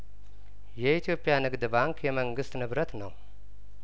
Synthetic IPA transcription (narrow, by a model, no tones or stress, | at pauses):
jɛit̪ʰijo̞pʼːijanɨɡd̪baŋkʰjɛməŋɡɨst̪nɨβɾət̪nəw